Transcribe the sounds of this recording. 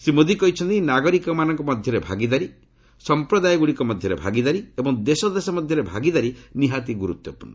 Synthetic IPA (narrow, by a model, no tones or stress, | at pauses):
simod̪ikɔɦit͡ʃʰɔnt̪inaɡɔɾikɔmanɔŋkɔmɔd̪ʱjɔɾebʱa̰ɡid̪aɾi | sɔmpɾɔd̪ajɔɡuɽikɔmɔd̪ʱjɔɾebʱa̰ɡid̪aɾiebɔŋd̪esɔd̪esɔmɔd̪ʱjɔɾebʱaɡid̪aɾiniɦat̪iɡuɾut̪jɔpun